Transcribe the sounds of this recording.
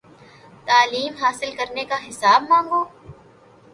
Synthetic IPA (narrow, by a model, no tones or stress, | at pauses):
t̪aːliːmɦaːsɪlkɐɾnekaɦɪsaːbmãːŋɡoː